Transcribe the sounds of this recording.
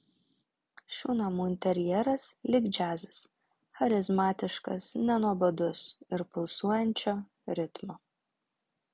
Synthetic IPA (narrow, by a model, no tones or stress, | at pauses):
ʃʲuːnɐmuːɪnʲt̪ʲɛɾʲjɛːɾɐslʲɪɡd͡ʒʲæːzʲɪs | xɐɾʲɪzmɑːt̪ʲɪʃkɐ̰snʲɛnuɔbɐd̪ʊsɪɾpʊlˠsuɔjɛnʲt͡ʃʲoː | ɾʲɪt̪mo